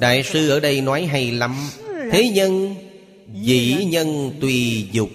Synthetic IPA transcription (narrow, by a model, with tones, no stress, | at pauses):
ɗa̰ː˧˨jsɨ˧ʔəː˧˩ɗə˧jnɔ˨˦jɦa˧jla˨˧˦mt̪ʰe˨˦ɲə˧n | vḭ˧˨ɲə˧nt̪wi˧˩zʊ˨˩k͡p̚